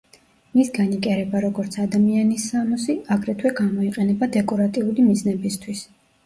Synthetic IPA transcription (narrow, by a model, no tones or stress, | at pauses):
misɡanikʼɛɾɛbaɾɔɡɔɾt̪sʰad̪amianisːamɔsiaɡɾɛt̪ʰwɛɡamɔiqʼɛnɛbad̪ɛkʼɔɾat̪ʼiulimid̪znɛbist̪ʰwis